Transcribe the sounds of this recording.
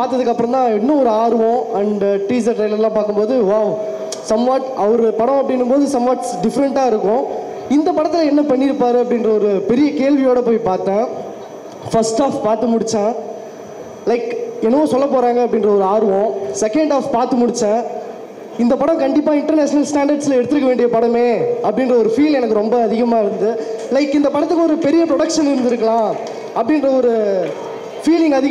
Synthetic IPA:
paːɾt̪ːɐðɯkːɐpːɯɾɔ̃nt̪ãːɛnːɐ̃ɔɾɯaːɾɯʋõɐɳɖʈɾiːs̬ɐɾʈɾɐɪlɐɾlãːpaːɾkɯmpoːðɯʋaː | sɐmʋaːʈɐʋɐɾɯpɐɽɔ̃ɐpːɐɽɪnːɯmpoːðɯsɐmʋaːʈ | ɖɪfɐɾɛɳʈaːɪɾɯkːʊ̃ | ɪnd̪ɐpɐɽɐt̪ːɪlɐɛnːɐpɐɳːɪɾɯpːaːɾɯɐpːɽɪnɾɐɔɾɯpɛɾɪjɐkeːɭʋɪjoːɽɐpoːjpaːɾt̪ãː | fɐsʈaːfpaːɾt̪ɯmʊɽɪt͡ʃːãː | lɐɪkɛnɐʋõːsɔlːɐpoːɾãːŋɡɐːpːɽɪnrɐɔɾɯaːɾʋõsɛkɐɳɖaːfpaːɾt̪ɯmʊɽɪt͡ʃːãː | ɪnd̪ɐpɐɽɐ̃mkɐɳɖɪpːaːɪɳʈɐɾneːʂɐnɐlsʈaːɳɖɐɾɖsɪlɐɛɽɯt̪ːɯɾɯkːɐʋeːɳɖɪjɐpɐɽɐmeːɐpːɐɽɪnrɐɔɾɯfiːlɛnɐkːɯɾɔmbɐːðɪɣɐmaːɪɾɯnd̪ɯlɐɪkːɪnd̪ɐpɐɽɐt̪ːɯkːɔɾɯpɛɾɪjɐpɾɔɽɐkʂɐnɪɾɯnd̪ɪɾɯkːɐɭãː | ɐpːɐɽɪnrɐɔɾɯ | fiːlɪŋɡɐðɪɣ

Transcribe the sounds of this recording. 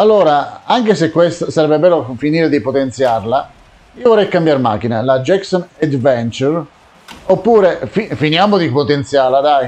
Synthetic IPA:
alːoːɾaaŋkesekːwest̪asaɾɛbːebɛːlofiniːɾed̪ipot̪ent̪sjarla | iːovɔrːɛjkambjaɾma̰ːk̟ina̰lad͡ʒɛksɔned̪vɛnt͡ʃuɾ | opːuːɾefifinjaːmod̪ipot̪ent̪sjaːɾlad̪aj

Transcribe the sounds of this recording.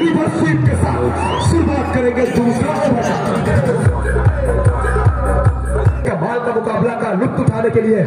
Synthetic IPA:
ibɐɾsiːpkesaːt̪ | sʊɾbaːt̪̚kɐɾẽːŋɡed̪uːsɾaspesɐt̪ike | kamaːlkamʊkaːblakaɾʊk̚t̪ʊʈʰaːnekelie

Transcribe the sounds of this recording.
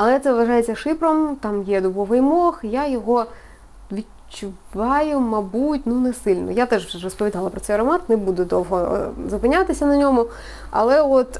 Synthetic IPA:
ɐlˠɛt̪sɛʋʋɐʐɑjet͡sʲːɐʂɪpɾɔmt̪ɑmjɛd̪ʊbɔʋɐjmɔxjajɔɦɔ | ʋʲid | t͡ʃʊʋɑjʊmɐbutʲnunɛsɪlʲnɔ̰jat̪ɛʐʋɛrɔspɔʋʲid̪ɑlˠɐpɾɔtsɛjɾɔmɑt̪nebud̪ʊd̪ɔwɦɔzʊpɪnʲat̪ɪsʲɐnɐnʲɔmʊ | ɐ̰lˠɛɔt̪

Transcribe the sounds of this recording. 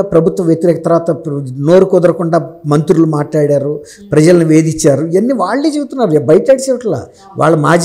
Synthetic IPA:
apɾɐbʱut̪ʋɐmʋjɐt̪iɾɛːkɐt̪ɐɾʋaːt̪ɐno̞ːɾukɔd̪ɐɾɐkuɳɖaːmɐnt̪ɾulumaːʈɭaːɽaːɾu | pɾɐd͡ʒɐlɐnuʋe̞ːd̪it͡ʃːaːɾuɐnːiʋaːɭːeːd͡ʒebut̪unːaːɾubɐjɐt̪ɐɽsɛːʋɐʈɐla̰ː | ʋʔa̰ːɭːɐmaːd͡ʒ

